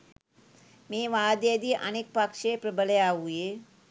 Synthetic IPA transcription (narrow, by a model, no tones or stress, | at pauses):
meːʋaːd̪jed̪iʔɐnek̚pakʂeːpɾəbələjaːʋuje